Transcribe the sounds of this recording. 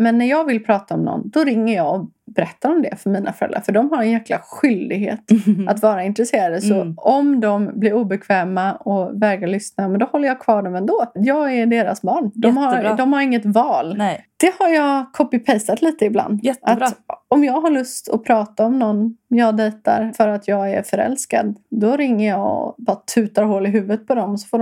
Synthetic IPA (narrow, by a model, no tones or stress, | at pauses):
mɛnːæɾjɑːɡvɪlpʰɾɑːt̪aɔmnɔ̰nːd̪ɔɾɪŋːəɾjɑːɔ | bɛɾɛt̪ːaɾɔmd̪ɛ̰fœɾmiːnʔa̰fœɾɛ̰lːa̰ɾfœɖɔmɦaɾɛnjæːkla̰ɧʏld̪ɪɡɦḛːt̪a̰t̪vɑːɾaɪnt̪ɾɛseːɾad̪əsɔɔmd̪ɔmblɪɾuːbɛkʰvɛːmaɔvɛːɡaɭʏsnamɛnd̪ɔhɔlːəjakʰvɑːɖɔmɛnd̪oːjɑːɡæɖeːɾa̰sbɑːɳd̪ɔmhaɾd̪ɔmhaɾɪŋːət̪vɑːld̪̥ɛhaɾjɑkʰɔpːɪpʰɛjsat̪liːt̪əɪbla̰nd̪jɛatɔmjɑːɡɦaɭɵst̪ʰɔ̰pʰɾɑːt̪aɔmnɔnːmjɑːd̪ɛːt̪a̰ɾfœɾat̪jɑːɡæ̰ɾfœɾɛ̰lska̰d̪d̪ɔɾɪŋːəjɑɔ̰bɑɾat̪ʰʉ̟ːt̪aɾɦoːlɪɦʉ̟ːvət̪̚pʰɔd̪ɔmɔsɔ̥fɔːɖ